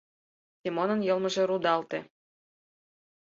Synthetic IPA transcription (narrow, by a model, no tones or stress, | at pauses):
sʲemonənjɤ̆lˠmɤ̆ʒeɾud̪ɑlt̪ĕ